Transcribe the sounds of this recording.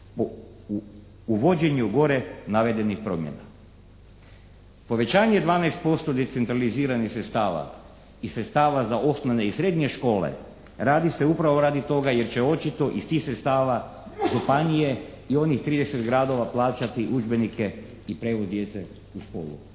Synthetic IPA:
o | uʋo̞d͡ʑe̞ɲuɡo̞ɾenaʋe̞d̪e̞nixpɾo̞mjḛna̰ | po̞ʋe̞t͡ɕaːɲe̞d̪ʋaːnajst̪̚po̞st̪o̞d̪et̪se̞nt̪ɾaliziːɾanixsɾet̪st̪aːʋa̰ | isɾe̞t̪st̪aːʋazaʔo̞snoʋneisɾe̞d̪ɲe̞ʃko̞ːlḛ | ɾaːd̪ise̞upɾaʋo̞ɾaːd̪it̪o̞ɡaje̞ɾt͡ɕe̞o̞t͡ʃit̪o̞ʔist̪iːxsɾet̪st̪aːʋa | ʒupanije̞ | io̞nixt̪ɾiːd̪eset̪ɡɾaːd̪o̞ʋaplˠaːt͡ʃat̪iʔud͡ʒbe̞nike̞ | ipɾeːʋozd̪je̞t̪se | uʃko̞̰ːlˠṵ

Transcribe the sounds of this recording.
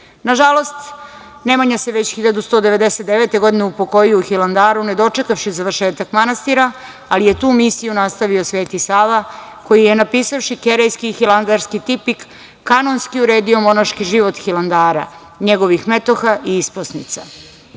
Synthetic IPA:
naʒalˠo̞st̪ | ne̞maɲase̞ʋe̞t͡ɕxiʎad̪ust̪o̞ːd̪e̞ʋe̞d̪ese̞t̪d̪eʋeːt̪e̞ɡo̞d̪ineupo̞ko̞jiouxiland̪aːɾune̞d̪o̞t͡ʂe̞kafʃizaʋr̩ʃe̞ːt̪akmanast̪iɾa | alije̞t̪uːmisijunast̪aʋio̞sʋeːt̪isaːʋako̞jijenapiːsafʃikeɾejskixiland̪aɾskit̪ipikː | ano̞nskiuɾeːd̪io̞mo̞naʃkiʒiʋo̞t̪xiland̪aːɾa̰ | ɲe̞ɡo̞ʋixme̞t̪o̞xaʔiisposnit̪sa

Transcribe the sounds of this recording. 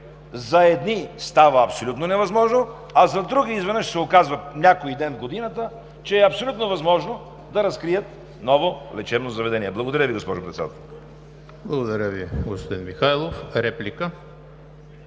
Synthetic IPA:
zɐɛd̪nist̪avəːpsolʲut̪nonɛvɐzmɔʒno | ɐzɐd̪ɾuɡiːzvɛnəʃsɛokazvɐnʲakoid̪ɛnvɡod̪inət̪ə | t͡ʃɛːɐpsolʲut̪novɐzmɔʒno | d̪ɐɾɐskɾijət̪ | nɔvolɛt͡ʃɛbnozɐvɛd̪ɛnʲiɛblˠɐɡod̪ɐɾʲjəviɡospɔʒʊpɾɛt̪sɛd̪at̪ɛlˠ | blˠɐɡod̪ɐɾʲəviɡospod̪inmixajlˠofɾɛplʲikə

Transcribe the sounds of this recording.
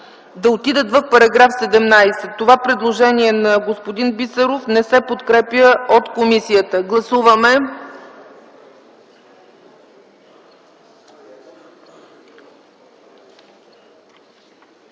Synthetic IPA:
d̪ɐot̪id̪ət̪vɐfpɐɾɐɡɾafsɛd̪ɛmnajsɛt̪ːovapɾɛd̪lˠoʒɛniɛnɐɡospod̪inbit̪səɾofnɛsɛpot̪kɾɛpjəot̪komisijət̪əɡlˠɐsuvəmɛ

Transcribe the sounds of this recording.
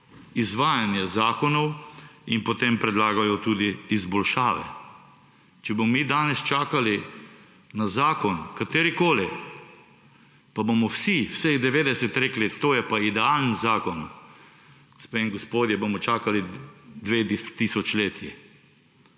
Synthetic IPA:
izʋaːjanjɛzaːkɔnɔwinpɔt̪empɾɛd̪laːɡajɔt̪uːd̪iːzbɔlʃaːʋɛ̰ | t͡ʃɛbomɔmiːd̪aːnɛst͡ʃaːkali | nazaːkɔnkat̪eːɾikoːli | pabomɔwsiwseɣd̪ɛʋeːd̪ɛsɛt̪ɾeːklit̪oːjɛpaid̪ɛaːlnzaːkɔn | spemɡɔspoːd̪jɛbomɔt͡ʃaːkalid̪ʋet̪ist̪iːsɔt͡ʃleːt̪ʰji

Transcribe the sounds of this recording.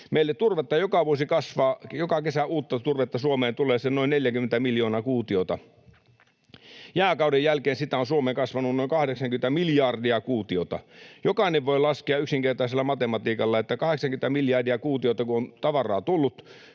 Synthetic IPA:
meilːet̪t̪urʋet̪ːɑjokɑʋuosikɑsʋɑːjokɑkesæuːt̪ːɑt̪urʋet̪ːɑsuomeːnt̪ulˑeːsennoinneljækymːent̪æmiljoːnɑkuːt̪iot̪ɑ | jæːkɑˑudejjælkeːnsit̪æonsuomeːŋkɑsʋɑnunnoiŋkɑhdeksɑŋkymn̆t̪æmiljɑrdiɑkuːt̪iot̪ɑ̰jokɑˑineʋʋoilɑskiɑyksiŋkert̪ɑˑiselːɑmɑt̪emɑt̪iːkɑlːɑet̪ːækɑheksɑŋkymet̪æmiljɑrdiɑkuːt̪iot̪ɑkuont̪ɑʋɑrˑɑːt̪ulːut̪

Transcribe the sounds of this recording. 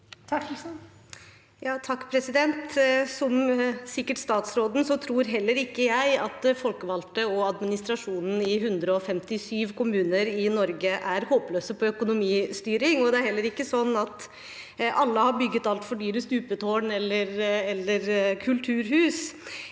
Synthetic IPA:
t̪ʰk | jɑːt̪ʰɑkːpʰɾɛsɪd̪ɛnt̪sɔmsɪkːəʈst̪ɑːt̪sɾoːd̪n̩sɔt̪ʰɾuːɾɦɛlːəɾɪkːəjæɪɑt̪fɔlkəʋɑlt̪əɔɑd̪mɪnɪst̪ɾɑʂuːnn̩ɪɦʉnd̪ɾəɔfɛmt̪ɪsyːʋkʰʊmʉːnəɾɪnɔɾɡəʔæɾhoːpløːsəpʰɔœkʊnʊmiːst̪yːɾɪŋɔd̪ɛæɾhɛlːəɾɪkːəsɔnːɑt̪ | ʔɑlːəhɑɾbʏɡːət̪ɑlt̪fɔɖyːɾəst̪ʉːpət̪ʰoːɳɛlːəɾɛlːəɾkʰʉlt̪ʰʉːɾhʉːs

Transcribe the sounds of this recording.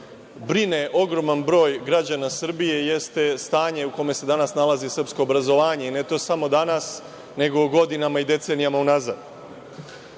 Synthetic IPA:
bɾine̞ʔo̞ɡɾo̞manbɾo̞ːjɡɾad͡ʑanasr̩bije̞je̞st̪e̞st̪aːɲe̞uko̞me̞se̞d̪anasnalˠazisrpsko̞ːbɾazo̞ʋaːɲe̞ine̞t̪o̞ːsamo̞d̪anas | ne̞ɡo̞ːɡo̞d̪inamaid̪e̞t̪se̞nijamaunaza̰d̪

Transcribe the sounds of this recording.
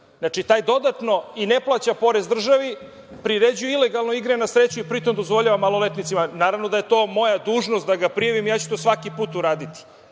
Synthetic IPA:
znat͡ʃit̪aːjd̪o̞d̪at̪no̞ineplˠat͡ɕapo̞ɾezd̪r̩ʒaʋi | pɾiɾed͡ʑujuile̞ɡalˠnoiɡɾenasɾet͡ɕuipɾit̪omd̪o̞zʋo̞ʎaʋamalˠo̞let̪nit̪simanaːɾaʋnod̪ajet̪o̞ːmo̞jad̪uːʒnost̪d̪aɡapɾijaʋimijaːt͡ɕut̪osʋakipuːt̪uɾaːd̪it̪i̥

